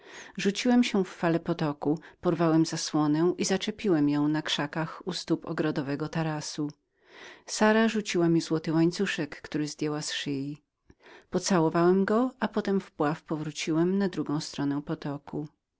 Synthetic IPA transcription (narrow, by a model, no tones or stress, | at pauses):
ʐut͡ɕiwɛmɕɛfːalɛpɔt̪ɔkupɔɾvawɛmzaswɔnɛ̃ʔizat͡ʂɛpʲiwɛmjɔ̃w̃nakʂakaxust̪upɔ̰ɡɾɔd̪ɔvɛɡɔt̪aɾasu | saɾaʐut͡ɕiwamʲizwɔt̪ɘwaɲt̪suʂɛkːt̪uɾɘzd̪ʲjɛwasʂɘji | pɔt̪sawɔvawɛmɡɔapɔt̪ɛmvpwafpɔvɾut͡ɕiwɛmnad̪ɾuɡɔ̃w̃st̪ɾɔnɛ̃pɔt̪ɔkʰu